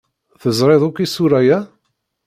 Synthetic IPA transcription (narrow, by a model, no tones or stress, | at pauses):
θəzˤɾˤeðˤʊkːisuɾæjæ